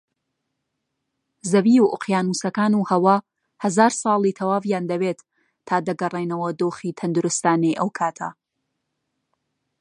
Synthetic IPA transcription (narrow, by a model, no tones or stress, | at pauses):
zɐbijuʔʊqjaːnuːsɐkaːnuːhɐwa | hɐzaːɾsˤɑːlˠit̪ʰɐwaːvjaːnd̪ɐbeːt̪ʰː | aːd̪ɐɡɐrejnɐwɐd̪oːχiːt̪ʰɐnd̪ʊɾʊst̪aːnejʔɐwkʰaːt̪ʰɐ̰